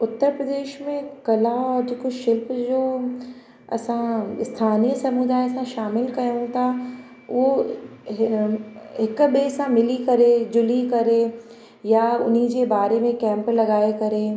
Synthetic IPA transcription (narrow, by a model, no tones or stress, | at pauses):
ʊt̪ːəɾpɾɐd̪eːʃmẽkɐlaɔːɾd͡ʑeːkoʃɪlpd͡ʑoː | ɐ̰sãɪst̪ʰaːnijəsɐmud̪aːesãʃaːmɪlkɐjõt̪ʰa | ʋo | ɦɪkbesãmɪlikɐɾed͡ʑʊlikɐɾe | jaʊ̰nid͡ʑebaːɾemẽkɛ̃ːmplɐɡaːekɐɾeː